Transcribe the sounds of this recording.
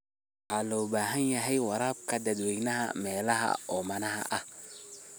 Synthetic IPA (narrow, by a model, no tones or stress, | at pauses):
alobaɦanjaɦajwaɾab̚kadadweɡnaha̰melaɦa̰omanaha̰ʔa